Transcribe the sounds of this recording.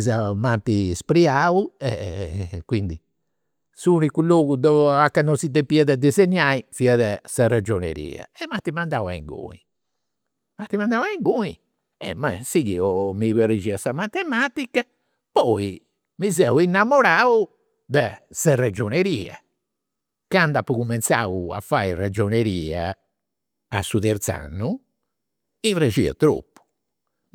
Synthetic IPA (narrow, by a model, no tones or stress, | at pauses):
zɛmant̪ispɾiauɛ̰kwind̪i | suːnikuloːɡud̪ɔakːanːɔsid̪epiɛðɛd̪izɛɲːaifiaðɛsɛrɛd͡ʒɔnḛɾḭːɛ̰ɛmat̪ːimand̪awaḭŋɡo̰ːḭ | mat̪ːimand̪awaɛŋɡui | ɛ̰mɛsiɣiɔmiβɛred͡ʒiasamat̪ːɛmaːt̪ikːa | pɔi | mizɛuinːamɔɾaːu | d̪ɛsɛrɛd͡ʒoneɾiːɛ̰ | kand̪apːukumɛnt̪sa̰ːua̰fːaːirɛd͡ʒoneɾiːa | a̰sːut̪ɛɾt̪sa̰nːu | ired͡ʒiɛ̰t̪ɾo̰pːu̥